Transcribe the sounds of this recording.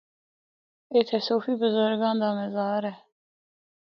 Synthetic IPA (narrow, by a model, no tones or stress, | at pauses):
ɛt̪ʰɛsofibəzɔɾɡɑnd̪ɑmɛzɑːɾɛ